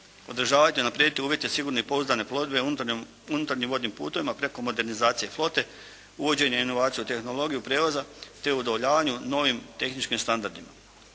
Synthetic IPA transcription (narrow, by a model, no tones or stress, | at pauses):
o̞d̪ɾ̩ʒaːʋajt̪iunapɾed̪it̪iuːʋje̞t̪esiɡuːɾno̞ipo̞uzd̪ane̞plo̞d̪be̞ | unut̪aɾɲimʋo̞d̪nimpṵːt̪o̞ʋimapɾe̞ko̞mo̞d̪e̞ɾnizaːt̪sije̞flˠo̞t̪e̞ | uʋo̞d͡ʑe̞ɲeino̞ʋaːt̪sijut̪e̞xno̞lˠo̞ɡijupɾe̞ːʋazat̪e̞uod̪oʋoʎaːʋaɲuno̞ʋimt̪e̞xnit͡ʃkimst̪and̪aɾd̪ima